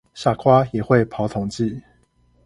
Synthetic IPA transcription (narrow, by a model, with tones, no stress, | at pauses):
ɕja˥˨kʰwa˦jɛ˨˩xwe˥˨ɪpʰɑ˨˦ʊt̪ʰo˧˦ŋt͡ɕi˥˨